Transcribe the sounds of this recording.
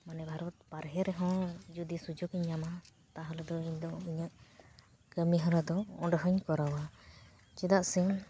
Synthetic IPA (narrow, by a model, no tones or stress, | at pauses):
manɛbʱaɾɔt̪̚paɾɦɛɾɛɦɔ̃d͡ʒud̪isud͡ʒɔɡiɲːama | t̪aɦɔlɛd̪ɔiɲd̪ɔiɲəʔ | kəmiɦɔ̃ɾad̪ɔɔ̃ɖɦəɲkɔɾawa | t͡ʃɛd̪aʔsɛn